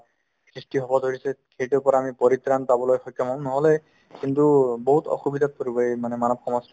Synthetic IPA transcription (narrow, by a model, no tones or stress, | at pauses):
sɹistiɦɔbɔdʱoɹisɛxejtuɹpɔɹamipɔɹit̪ɹanpabɔlojxɔjkʰːɔmaʊ̃nɔɦɔlɛ | kintubɔɦutɔ̰xubid̪ʱat̚koɹibɔemanɛmanɔb̚xɔmɔs